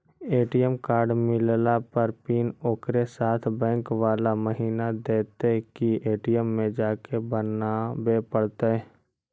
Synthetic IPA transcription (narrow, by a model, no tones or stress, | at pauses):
eːʈijəmkaːɾɖmɪllapɐɾpiːnoːkɾesaːt̪ʰbɛ̃ːŋkʋaːlaməɦiːnad̪eːt̪ekieːʈijəmːẽd͡ʒaːkebənabepəɽt̪eɦɛː